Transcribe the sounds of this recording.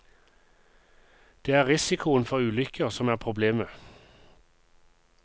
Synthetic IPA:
d̪̥eːæːʁɪsɪkʰʊənfɔʁʉːlʏkʰəʁsɔmæːʁpʰʁʊbleːmə

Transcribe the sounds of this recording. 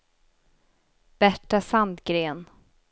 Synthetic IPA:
b̥æʈːasand̪ɡɾeːn

